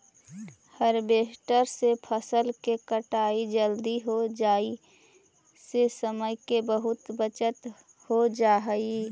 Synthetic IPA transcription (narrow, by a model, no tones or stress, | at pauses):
həɾbeːsʈəɾsepʰəsəlkekəʈaːid͡ʒəld̪iɦod͡ʒaːi | sesəməjkebəɦʊt̪bət͡ʃət̪ | hod͡ʒaːɦəi